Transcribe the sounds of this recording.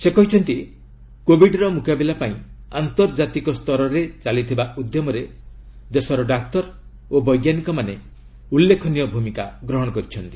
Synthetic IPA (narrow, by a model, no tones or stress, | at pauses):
sekɔɦit͡ʃʰɔnt̪i | kobʱiɖɾɔmukabilapaĩant̪ɔɾd͡ʒat̪ikɔst̪ʰɔɾɔɾet͡ʃalit̪ʰibaud̪jɔmɔɾe | d̪esɔɾɔɖak̚t̪ɔɾ | obɔjɡjanikɔmane | ulːekʰɔnijɔbʱumikaɡɾɔɦɔɽ̃ɔkɔɾit͡ʃʰɔnt̪i̥